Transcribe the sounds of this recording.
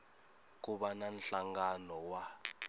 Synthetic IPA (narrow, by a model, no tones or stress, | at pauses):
k̬uɓanan̩ɬaŋɡanɔwa